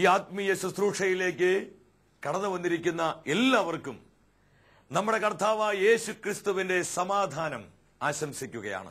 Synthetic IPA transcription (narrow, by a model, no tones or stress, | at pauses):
iːaːt̪̚mijɐsusruːʂɐjile̞ːk̬ːɨ | kɐɽɐnːɐʋɐnːiɾikʲːunːɐelːaːʋɐrkːum | nɐmːuɽe̞kɐrt̪aːʋaːje̞ːɕukrist̪uʋinde̞sɐmaːd̪ʱaːnɐm | aːɕɐmsikʲːuɣɐja̰ːɳɨ̰